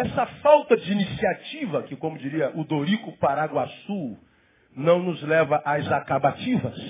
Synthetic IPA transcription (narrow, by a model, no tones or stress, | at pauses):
ɛsɐfawt̪ɐd͡ʒɪinisiat͡ʃivɐkɪkõmʊd͡ʒiɾiɐʔʊd̪oɾikʊpaɾaɡwasuw | nɐ̃w̃nʊzlɛvɐʔajzakabat͡ʃivɐs